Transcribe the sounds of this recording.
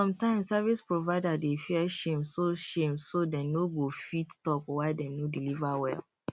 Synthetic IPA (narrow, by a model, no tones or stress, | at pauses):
sɔ̃mtãɪ̃msavispɹovaɪdadefiɛʃẽmsoʃẽmsodɛ̃noɡofittɔkwaɪdɛ̃nodilivawɛ̰l